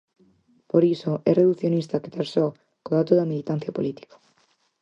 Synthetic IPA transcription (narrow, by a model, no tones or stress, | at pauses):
poɾisoɛreðuθjonist̪aket̪aɾso | koðat̪oðamilit̪ãn̟θjapolit̪i̥kḁ